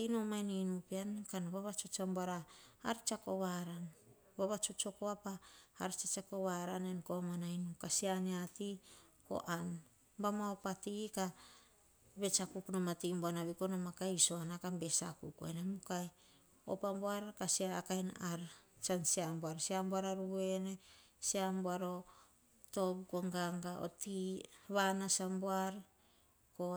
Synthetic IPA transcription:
ainomajninupiankanβaβat͡ʃot͡ʃamboaɾa̰ːɾt͡ʃako̞βaɾan | baβat͡ʃot͡ʃokoapaːɾt͡ʃat͡ʃako̞βaɾanenkomanainukasianeatiko̞̰ʔan | bamoaopatika | be̞t͡ʃakuknomatimboanaβikonomakajso̞anakambesakṵkuḛnemukaj | o̰pamboaɾkasiaːkajnaɾt͡ʃansiamboaɾsiamboaɾaɾue̞nesiamboaɾo̞ | to̞bkoŋɡaŋɡao̰tiβanasamboaɾ | ko

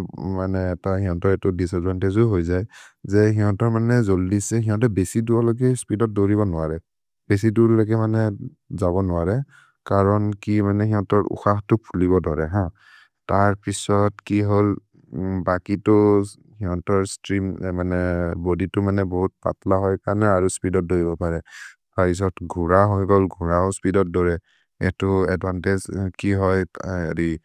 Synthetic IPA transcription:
manɛːtahiɦɔ̃tɔɹɛtʊdisazɔntezuɦojzajzɛɦiɦɔ̃tɔɹmanɛzoldisɛɦiɦɔ̃tɔbesiduɔloɡɛspidɔt̚doɹibɔnʊaɹɛ | b̥es̬idulloɡɛmanɛ | zaβɔnʊwaɹɛ | kaɹɔnkimanɛɦiɦɔ̃tɔɹʔṵxaxtʊpʰuliβɔdɔɹɛɦã | taɹpisɔtkiɦol | bakitʊ | hiɦɔ̃tɔɹstɹimmanɛboditʊmanɛboɦut̚pa̰tlaɦɔjkanɛaɹuspidɔt̚doɹibɔpaɹɛtaɹpis̬ɔtɡʱuɹaɦojɡɔlɡʱuɹaʊspidɔt̚dɔɹɛ | ɛtʊɛdbantezkiɦɔj̰ɹi

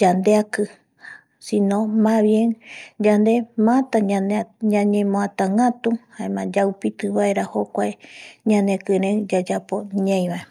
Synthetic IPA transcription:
d͡ʒand̪eakɨ | sĩnõmãβjẽŋd͡ʒand̪e̞mãt̪aaɲãɲẽmõat̪ãŋɡat̪uhaẽmãd͡ʒaupit̪ɨβaeɾahokʷaeɲãnekɨ̃ɾed͡ʒad͡ʒapo̞ɲãj̃βae

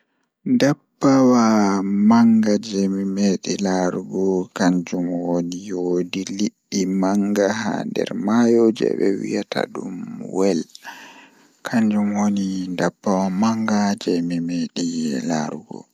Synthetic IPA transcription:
dabːawamaŋɡad͡ʒɛmimeɗilaɾuɡɔkaɲd͡ʒumwonijodiliɗːimaŋɡaha̰ndɛ̰ɾmajod͡ʒɛ̰bɛ̰wijatʰa̰dumwɛl | kʰaɲd͡ʒumwonidabːawamaŋɡad͡ʒɛmimeɗila̰ɾuɡɔ̰

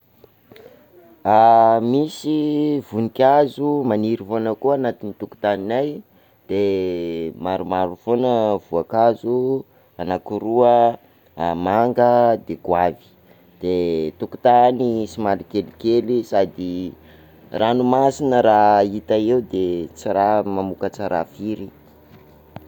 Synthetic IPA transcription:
amisivunikʲazumaniɾifonəkuanat̪init̪uku̥t̪aninaj | d̪̥e | maɾumaɾufonəvuakazu | anakuɾuə | maŋɡəd̪eɡwavi̥ | d̪̥et̪uku̥t̪anisimalikelikelisad̪i | ranumasinəɾait̪aeud̪et͡siɾamamukət͡saɾa̰fiɾi

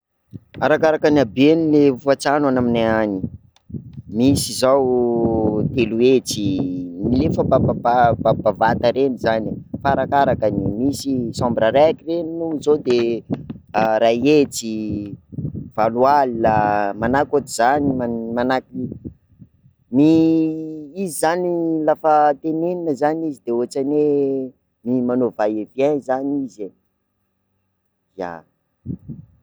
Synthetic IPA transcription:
aɾakaɾakanabenilevufat͡sanwanaminaani | misizaw | t̪eluet͡similefəbababababavat̪aɾenizanifaaɾakaɾakanimisisɔ̃mbiɾaɾaakireninuizod̪e | ɾajet͡si | v̥alualilamanakot̪iz̥animamanaki | ni | izizanilafət̪eneninəzanizid̪eoat͡ʃane | mimanovajevjanzanize | ja̰

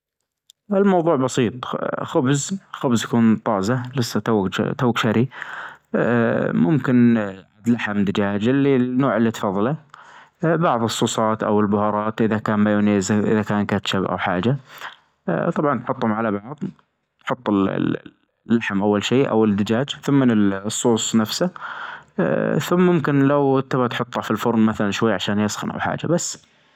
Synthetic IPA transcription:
ʔɪlmɑwðˤuːʕbɑsiːt̪ˤxʊbzxʊbzjakuːnt̪ˤɑːzalɪsːat̪a̰ːt̪aːkʃaɾi | mʊmkɪnʕad̪laħamd̪ɪd͡ʒaːd͡ʒɪlːinːoːʕɪlːit̪fɑːðˤːɑla | bɑʕðˤɨsˤːuːsˤɑːt̪ʔa̰wɪlbʊhɑːɾˤɑːt̪ʔɪðakaːnmajuneːzʔɪ̰ðakaːnkat̪ʃabʔa̰wħa̰ːd͡ʒa | t̪ˤɑbʕɑnt̪ħʊt̪ˤːhʊmʕalabɑʕðˤ | t̪ħʊt̪ˤːɪl̰ | lːaħmʔawːalʃiːʔa̰wɪd̪ɪd͡ʒaːd͡ʒθʊmːɪnɪlsˤːuːsˤnafsa | θʊmːʊmkɪnlawt̪ːabat̪ħʊt̪ˤːafilfʊɾnmaθalanʃwajːʕaʃaːnjɑsxɪ̰nʔa̰wħa̰ːd͡ʒa̰basː

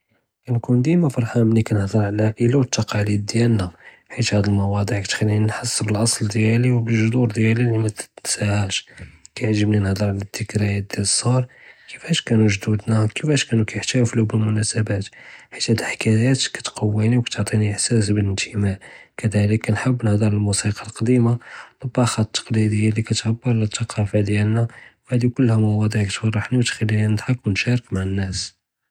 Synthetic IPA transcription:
kænkund̪imæfɑɾˤħamnikænəhd̪ˤəɾˤʕalæʔəlawət̪ːɑqɑlid̪̚d̪jælnæ | ħit̪hæd̪əlmɑwɑd̪ˤiʕkæt̪xælːinnħɑsˤːbəlʔɑsˤld̪jæliwbəlʒʊd̪uɾd̪jælilːimæsæhæʃkæjʕʒəbninəhd̪ˤəɾˤʕalæd̪ːəkɾæjæt̪̚d̪jæləsˤɑɾˤkəfæʃkænuʒd̪ud̪nækəfæʃkænukæjəħt̪æflubəlmʊnæsəbæt̪ħi̥t̪hæd̪əħkæjæt̪kæ̥t̪qʰɑwːiniwkæ̥t̪oʕt̪ˤiniʔəħsæsbələnt̪ʰəmæʕkəd̪æləkːnħəbːnhd̪ˤɑɾˤəlmusiqɑlqɑd̪imaləbːɑxɑt̪ːɑ̥qlid̪əjːalikæt̪ħabːʊlət̪ːɑqɑfad̪jælnæwhæd̪ikʊlːhæmɑwɑd̪ˤiʕkæt̪fɑrˤːɑħniwt̪xælːininəd̪ħɑkwnʃɑɾəkmaʕənːæs

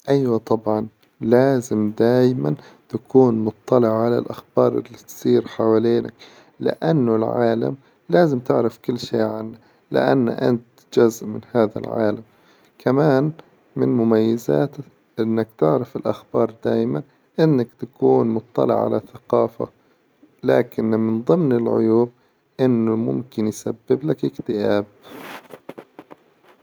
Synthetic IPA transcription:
ʔajwat̪ˤɑbʕɑn | laːzɪmd̪aːjmant̪akʰuːnmʊt̪ˤːɑlɪʕʕala̰lʔaxbɑːɾˤʔɪ̰lːit̪sˤiːɾħawaːleːna̰k | lɪ̰ʔanːʊlʕaːla̰m | laːzɪmt̪ɪʕɾafkʊlːʃeːʕanːa | lɪ̰ʔa̰nːa̰ʔa̰nt̪ | d͡ʒʊzʔmɪnhaːða̰lʕa̰ːlam | kʰamaːn | mɪnmʊmajːaza̰ːt̪ | ʔɪnːakt̪ɪʕɾafɪlʔaxbɑːɾˤd̪aːjman | ʔɪnːakt̪akuːnmʊt̪ˤːɑ̰lɪ̰ʕʕa̰lʔaθaqɑːfa̰ | laːkɪnmɪnðˤɨmnɪlʕʊ̰juːb̚ | ʔɪnːʊmʊ̰mkɪnjsabːɪblakɪkt̪ɪʔaːb̚

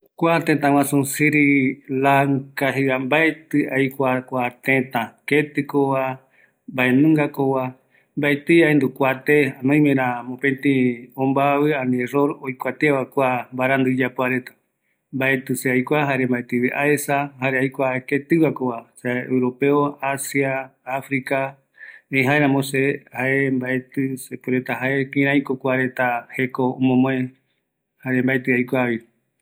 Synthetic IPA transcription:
kʷat̪ẽt̪ãw̃ãsũsiɾilaŋkaɦiambaet̪ɨajkʷakʷat̪ẽt̪ãket̪ɨkowa | mbaenũŋɡakowa | mbaet̪ɨjaend̪ukʷat̪eanõj̃mẽɾãmõpẽnt̪ĩõmbaβɨãnĩeroɾojkʷat̪eaβakʷambaɾand̪ɨd͡ʒapoaɾet̪ḁ | mbae̞t̪ɨseajkʷaɦaɾe̞mbaet̪ɨβeʔaesahaɾeajkʷaket̪ɨβakoβaseḛwɾo̞pe̞oasiaːfɾika | ej̃ɦaeɾãmõsehaembaet̪ɨsepuɾe̞t̪aɦae̞kĩɾ̃ãj̃kokʷaɾe̞t̪ahe̞koõmõmõẽ | haɾe̞mbaet̪ɨajkʷaβi

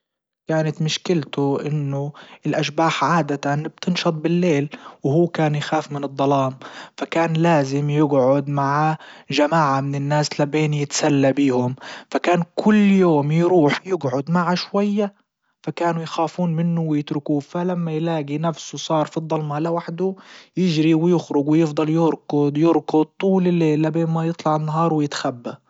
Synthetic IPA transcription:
kaːnat̪mɪʃkɪlt̪ʊʔɪnːʊɪlʔaʃbaːħʕaːd̪at̪anb̥̚t̪ɪnʃɑt̪̚ˤbɪlːeːlwhuːkaːnjxaːfmɪnɨd̪ˤːɑlɑːmfakaːnlaːzɪmjɪɡʕʊd̪maʕaʒamaːʕamɪnɪnːaːslabeːnjɪt̪salːabiːhʊmfakaːnkʰʊlːjoːmjɾuːħjɪɡʕʊd̪maʕaʃwajːa | fakaːnujxaːfuːnmɪnːʊwɪjɪt̪ɾɪkuːfalamːajlaːɡinafsusˤɑːɾˤfid̪ˤːɑlmalawaħd̪ʊjɪʒɾiwɪjɪxɾʊɡwɪjɪfd̪ˤɑljɪɾkʊd̪ˤjɪɾkʊd̪̚t̪ˤːuːlɪlːeːlːabeːnmajɨt̪ˤlɑʕɪnːaɦɑːɾˤwɪjɪt̪xabːa

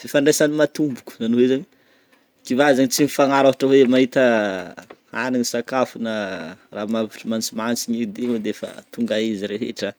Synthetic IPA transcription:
fifaɳɖ͡ʐesanimat̪umbuku̥zanowezaɲi | kivazaɲit͡simifaŋaɾaɦaʈ͡ʂəwemaɦit̪ə | aniɲisakafunəramavi̥ʈ͡ʂimant͡simant͡siɲid̪ied̪eefə̰t̪uŋɡaiziɾeɦḛʈ͡ʂə

